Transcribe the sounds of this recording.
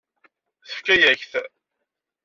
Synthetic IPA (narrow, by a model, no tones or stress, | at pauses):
θə̥fkæjæçθ